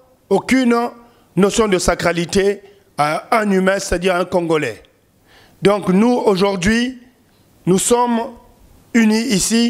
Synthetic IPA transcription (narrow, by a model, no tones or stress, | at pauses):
okyn | nosjɔ̃d̪əsakʁalit̪e | aɛ̃nymɛ̃se̥t̪ad̪iːʁɛ̃kɔ̃ŋɡolɛ | d̪ɔ̃knuoʒuʁd̪ɥi | nusɔm | yniisi